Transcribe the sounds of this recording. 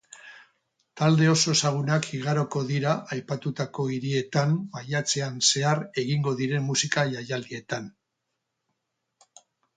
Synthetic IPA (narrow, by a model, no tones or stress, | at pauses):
t̪ald̪e̞o̞so̞saɣ̞unakiɣaɾo̞ko̞ðiɾaʔajpat̪ut̪ako̞iɾie̞t̪ambajat͡se̞anse̞aɾe̞ɣiŋɡo̞ðiɾe̞mmusikaʝajald̪ie̞t̪an